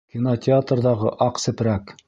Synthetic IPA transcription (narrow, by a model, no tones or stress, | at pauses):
kʲinotʲɪat̪rðɑʁɤʔɑqsɘ̆pɾæk